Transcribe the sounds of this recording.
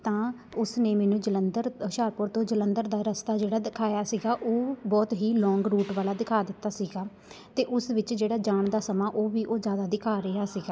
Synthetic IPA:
t̪ãː | ʊsneːmɛːnũːd͡ʒələnd̪əɾʃaːɾpʊɾt̪õːd͡ʒələnd̪əɾd̪aːɾəst̪aːd͡ʒeːɽaːd̪ɪkʰaːjaːsiːɡaːʔoːbɔːt̪ɦiːlɔ̃ːŋɡɾuːʈʋaːlaːd̪ɪkʰaːd̪ɪt̪ːaːsiːɡaː | t̪eːʔʊsʋɪt͡ʃd͡ʒeːɽaːd͡ʒaːɳd̪aːsəmãːʔoːʋiːʔoːzjaːd̪aːd̪ɪkʰaːɾəaːsiːɡaː

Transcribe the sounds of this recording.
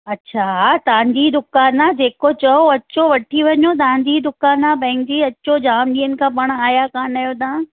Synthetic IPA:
ɐtːɕʰat̪ɐɦãɲd͡ʑid̪ʊkaːnad͡ʑeːkot͡ɕɐoɐt͡ɕoʋɐʈʰiʋɐɲot̪ɐɦãɲd͡ʑid̪ʊkaːnabɐ̃ɪ̃ŋkd͡ʑiɐtːɕod͡ʑaːmɗĩːənɪ̆kʰãːpɐɽ̃aːjakaːnaːjot̪aã

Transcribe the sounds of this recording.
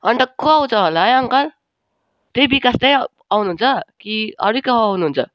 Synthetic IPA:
ʌnʈ̪ʌkoaw̃t͡sʰʌɦolajʌŋkʌɾ | t̪ejbikast̪ej | awnuɦunt͡sʰʌkiʌ̰ɾukʌɦaunuɦunt͡sʰʌ̰

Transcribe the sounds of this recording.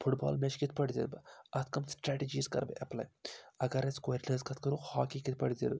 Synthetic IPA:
pʰuʈba̰ːlmet͡ʃkit̪̚ʰpɐɽd̪ḭd̪bɐt̪ʰkɐmsʈɾɛːʈid͡ʒiːzkɐ̰ɾbeʔɐplɐ̰jɐɡɐɾɐskoɾləːzkɐt̪̚ʰkɐɾuhaːkikit̪̚ʰpɐɽd̪ḛd̪b

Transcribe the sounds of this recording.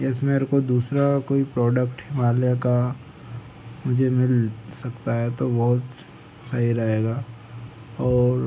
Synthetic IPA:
ɛsmeɾkod̪uːsɾakoːipɾɔːɖək̚ʈhɪmaːljaka | mʊd͡ʒʱemɪlsɐkt̪aɦɛt̪obɔɦʊt̪ | səɦiɾɐɦeːɡaː | ɔːɾ

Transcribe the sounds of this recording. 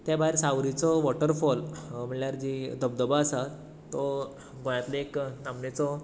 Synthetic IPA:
t̪jãbʱaiɾsawɾit͡sɔʋɔʈəɾfɔlm̤əɭljaɾd͡ʑid̪əbd̪əbaːsa | t̪ːɔ | ɡõjat̪leeknamnet͡sɔ

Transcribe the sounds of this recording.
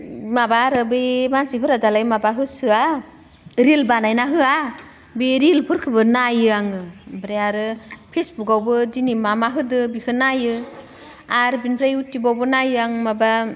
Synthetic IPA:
mabaɾɯbɯjmansipʰɯɾadalajmabaɦɯsɯa | ɾilbanajnaɦɯa | beɾilpʰɯɾkʰɯbɯnajɯaŋɯbɾeaɾɯpʰesbukawbɯdinimamaɦɯdɯbikʰɯnajɯ | aɾbinpʰɾajutːibawbɯnajɯaŋmaba

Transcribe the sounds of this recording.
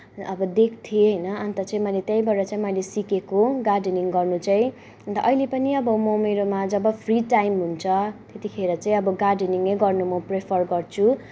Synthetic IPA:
ʌbʌd̪ek̚ʰt̪ʰieɦʌjnʌʌnt̪ʌt͡sãĩmʌjlet̪jãj̃bʱʌɾɾʌt͡saĩmʌjlesikekoɡarɖeniŋɡʌrnut͡saĩ | ʌnt̪ʌʔʌilepʌniʌbʌmʌmeɾomad͡zʌbʌpʰriʈajmɦunt͡sʰʌt̪et̪ikʰeɾʌt͡saĩʌbʌɡarɖniŋejɡʌrnumʌprepʰʌrɡʌrt͡sʰu

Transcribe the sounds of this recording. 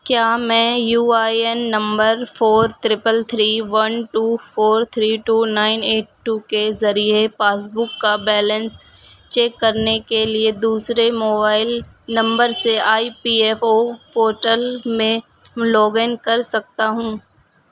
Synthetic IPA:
kjaːmɛ̃ːjuːaːiɛnːɐ̃mbəɾfoːɾt̪ɾɪpəlt̪ʰɾiːʋɐnʈuːfoːɾt̪ʰɾiːʈuːnaːɪneːʈ̚ʈukezɐɾiepaːs̬bʊkːabɛːlə̃nst͡ʃeːkːɐɾnekelied̪uːsɾemoːbaːɪl | nɐ̃mbəɾseʔaːipiːɛfopoːɾʈəlmẽ | lɔːɡenkɐɾsɐk̚t̪aɦũː

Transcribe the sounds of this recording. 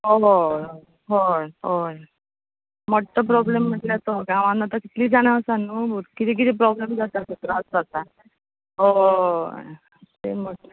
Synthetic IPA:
ɦo | ɦojɦoj | mɔʈːəp̬ɾɔblem̤ːəʈljat̪oɡãʋãnat̪aki̥t̪liːd͡zaɽ̃asanːubukit̪iːk̬it̪iːpɾɔblemd͡zat̪at̪ut̪ɾad͡zd͡zat̪a | ɦo | t̪ḛməʈ

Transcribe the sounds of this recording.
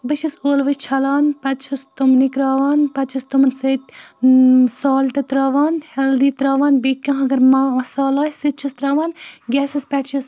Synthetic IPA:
bɨʃʰisoːlʋɐt͡ʃʰɐlaːnpɐtt͡ʃʰɐst̪umnikɾaːʋaːnpɐt͡ʃʰɐst̪umɐnsɐːt̪̚ʲ | saːlʈ̪ɐt̪ɾaːʋaːnhɐld̪iːt̪ɾaːʋaːnbikʲːɐ̃ːɦɐɡɐɾmɐɐsaːlaːjsit̪̚t͡ʃʰɐst̪ɾaːʋaːnɡʲɛːsispʲɛʈʰt͡ʃʰɐs

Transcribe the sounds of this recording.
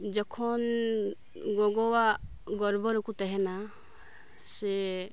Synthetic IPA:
d͡ʒɔkʰɔn | ɡɔɡɔwaʔ | ɡɔɾbɔɾɔkut̪ɛɦɛna | sɛ

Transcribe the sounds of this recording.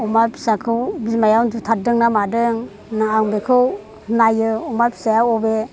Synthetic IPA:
umaɾpʰi̥sakʰɯwbilmajawndutʰadɯŋnamadɯŋ | naaŋbekʰɯw | hnajɯumapʰi̥sajawɔbe

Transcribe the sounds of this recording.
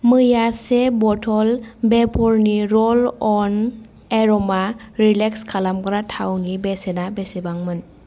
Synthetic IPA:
mɯjasebɔtʰɔlbepʰɔɾniɾɔlɔn | eɾɔmaɾilekskʰalamkɾatʰawnibesenabesebaŋmɯn

